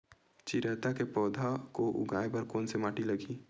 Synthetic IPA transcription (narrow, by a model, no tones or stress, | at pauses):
t͡ʃiɾɛːt̪akepɔːd̪ʱakoʔʊ̰ɡʱaːebɐɾkoːnsemaːʈilɐɡiː